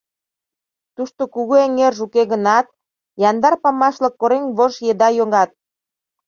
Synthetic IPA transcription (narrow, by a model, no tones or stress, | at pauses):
t̪uʃt̪okuɣueŋerʒukeɣənɑt̪̚ | jɑnd̪ɑrpɑmɑʃlɤ̆kːoɾeŋβoʒjed̪ɑjoŋɑt̪̚